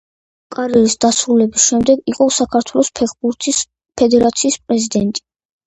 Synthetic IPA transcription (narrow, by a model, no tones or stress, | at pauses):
kʼaɾiɛɾisd̪asɾulɛbisʃɛmd̪ɛɡiqʼɔsakʰaɾt̪ʰwɛlˠɔspʰɛχbuɾt̪ʰis | pʰɛd̪ɛɾat̪sʰiːspʼɾɛzid̪ɛnt̪ʼi̥